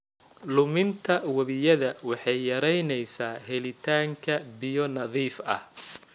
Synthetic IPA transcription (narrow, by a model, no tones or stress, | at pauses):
lʊmɪnt̪ʰɐwɐβɪjɐðɐwɑħɑjːɐɾɛjnɛjsaːɦɛlɪt̪ʰaːŋkʰɐbɪjɔnɐðiːfɐ̰h